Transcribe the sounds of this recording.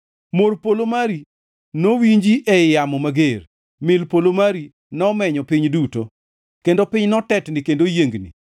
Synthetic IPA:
morpolomaɾi | nowiɲd͡ʒiʔɛjamɔmaɡer | mɪlpolomaɾi | nɔmɛɲɔpɪɲduto | kendopɪɲnɔtɛtnɪkendojeŋɡnḭ

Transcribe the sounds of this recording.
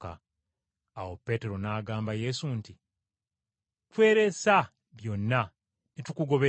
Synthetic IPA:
ka̰ | a̰wo̞pːe̞ːte̞ɾo̞naːɡaːmbaje̞sunti | twe̞ːɾe̞sa | βjo̞nːa | netukuɡo̞βe

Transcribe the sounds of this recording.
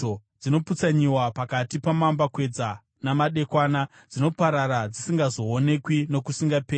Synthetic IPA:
od͡zino̞put͡saɲiwapakatipamambakwe̞d͡za | namaɗe̞kwaːna | d͡zino̞paɾaɾad͡zisiŋɡazo̞ːne̞kwino̞kusiŋɡapeː

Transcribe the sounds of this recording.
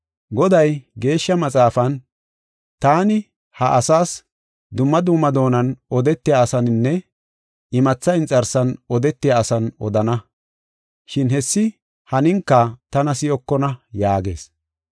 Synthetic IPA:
ɡɔd̪ɐjɡe̞ːʃːɐmɐt͡sʼaːfɐn | t̪aːnɪ | hɐʔɐsaːs | d̪ʊmːɐd̪ʊmːɐd̪o̞ːnɐnɔd̪ɛt̪ːɪjaːsɐnnːɛ | ɪmɐt͡sːɐɪnt͡sʼɐɾsɐnɔd̪ɛt̪ːɪjaːsɐnɔd̪ɐnɐ | ʃɪnɦɛsːɪ | hɐnɪŋkːɐt̪ɐnɐsɪjɔkːɔnɐjaːɡe̞̰ːs

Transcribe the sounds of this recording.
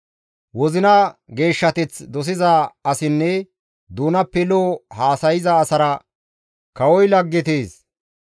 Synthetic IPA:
wɔzɪnɐɡe̞ːʃːɐt̪ɛt͡sd̪ɔs̬ɪzaɐsɪnːɛ | d̪uːnɐpːɛloːhaːsɐjɪzɐːsɐɾɐ | kɐwɔjlɐɡːɪt̪eːs

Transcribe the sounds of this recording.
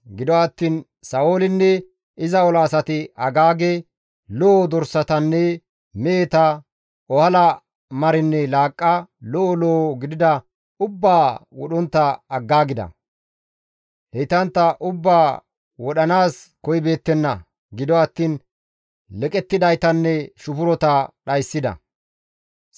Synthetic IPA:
ɡɪd̪ɔwɐt̪ːiːn | sɐoːlɪnːɛ | ɪzɐɔlɐːsɐt̪ɪɐɡaːɡe | loːd̪ɔɾsɐt̪ɐnːɛ | meːt̪ɐ | ɔhɐlɐ | mɐɾɪnːɛlaːkʼːɐlɔʔɔloːɡɪd̪ɪd̪ɐ | ʊbːaːwɔ̰ɗɔnt̪ːɐɐɡːaːɡɪd̪ɐ̰ | hɛjt̪ɐnt̪ːɐʔʊbːaː | wɔɗɐnaːskɔjbe̞ːt̪ːɛnːɐ | ɡɪd̪ɔɐt̪ːiːn | lɛkʼɛt̪ːɪd̪ɐjt̪ɐnːɛʃʊpʊɾɔt̪ɐɗɐjsːɪd̪ɐ̰

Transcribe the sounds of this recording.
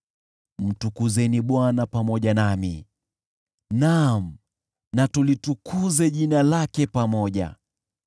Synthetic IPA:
m̩tukuzɛniɓwanapamɔʄanami | nam̩ | natulitukuzɛʄinalakɛpamɔʄa̰

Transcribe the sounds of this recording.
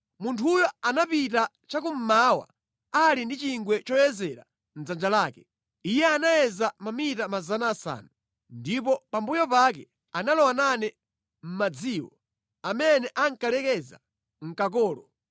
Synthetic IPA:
muntʰujɔanapita | t͡ʃakum̩mawa̰ | alindit͡ʃiŋɡwɛt͡ʃɔjɛzɛɾa̰ | n̩zand͡ʒalaːkɛ | ijɛanajɛzamamitamazanaːsa̰ːnu | ndipɔpambujɔpakɛ̰ | analɔwananɛ | m̩mad͡ziːwɔ | amɛnɛʔaŋ̩kalɛkɛza̰ | ŋ̩kak̬ɔːlɔ

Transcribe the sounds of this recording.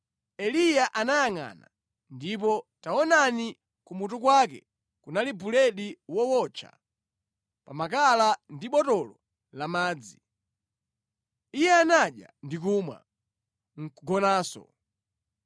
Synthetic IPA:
ɛlijaʔanajaŋa̰na | ndip̬ɔtaɔnani | kumut̬ukwak̬ɛ̰ | kunalibulɛɗiwɔwɔt͡ʃʰa̰ | pamakalandiɓɔtɔlɔ | lamaːd͡zi | ijɛanaɗja̰ndik̬uːmwa̰ | ŋ̩ɡɔnaːsɔ̰

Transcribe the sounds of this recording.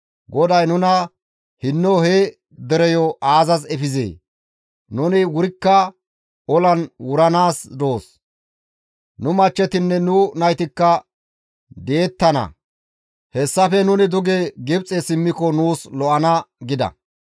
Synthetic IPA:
ɡɔd̪ɐjnʊnɐ | hɪnːɔhe | d̪ɛɾɛjɔʔaːzɐzɛfɪzḛː | nʊnɪwʊɾɪkːɐ | ɔlɐnwʊɾɐnaːsd̪o̞ːs | nʊmɐt͡ʃːɛt̪ɪnːɛnʊnɐjt̪ɪkːɐ | d̪e̞ːt̪ːɐnɐ̰ | hɛsːɐfɛnʊnɪd̪ʊɡeɡɪbt͡sʼːesɪmːɪkɔnuːslɔʔɐnɐɡɪd̪ɐ̰

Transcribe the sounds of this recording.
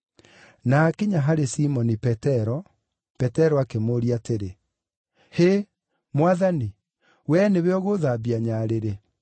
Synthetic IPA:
nakeɲaɦaɾesimɔnipɛtɛɾɔ | pɛtɛɾɔakemoɾiateɾe | he | mwaðani | wɛneβeɔɣoðabiaɲaɾeɾe

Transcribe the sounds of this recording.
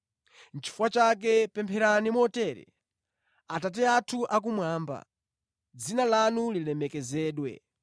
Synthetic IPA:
n̩t͡ʃʰi̥fuwat͡ʃak̬ɛpɛmpʰɛɾanimɔtɛːɾɛ̰ | atat̬ɛatʰuʔak̬umwaːmba̰ | d͡zinalanulilɛmɛkɛzɛːɗwɛ̰

